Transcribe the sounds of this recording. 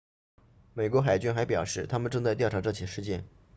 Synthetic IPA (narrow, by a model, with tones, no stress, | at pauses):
me˨˩ɪkwɔ˧˥xa˨˩ɪt͡ɕy˥nxa˧˥pjɑ˨˩ʊʂɻ̩˥˩t̪ʰa˥mə˨nʈ͡ʂɤ˥˧ŋt͡sa˥˧ɪjʊʈ͡ʂʰʈ͡ʂɤ˥˩t͡ɕʰi˨˩ʂɻ̩˥˧t͡ɕjɛ˥˩n